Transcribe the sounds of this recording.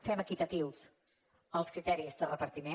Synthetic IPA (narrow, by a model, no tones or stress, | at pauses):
fɛməkit̪ət̪iwz | əlˠskɾit̪ɛɾizðərəpəɾt̪ime